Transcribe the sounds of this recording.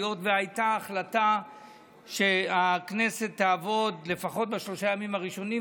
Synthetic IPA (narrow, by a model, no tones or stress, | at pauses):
jo̞tveajtaːχlata | ʃe̞akne̞se̞t̪ːaːvo̞d̪le̞faχo̞t̪̚baʃlo̞ʃajamimaʁiʃo̞ni